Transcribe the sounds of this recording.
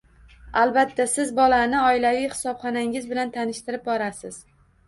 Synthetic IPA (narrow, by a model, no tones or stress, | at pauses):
alˠbat̪ʰːasɪzbɒlanɪɒɪlavijχɪ̥sɒpχɒnaŋʲɪzbɪlant̪ʰanɪʃt̪ɪɾɪp̚bɒɾasɪz̥